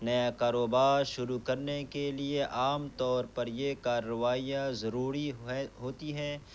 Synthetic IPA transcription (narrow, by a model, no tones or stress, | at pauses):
nɐjakaːɾoːbaːɾʃʊɾukɐɾnekelieʔaːmt̪ɔːɾpɐɾjekaːɾːəʋaːijazɐɾuːɾiɦoːt̪iɦɛː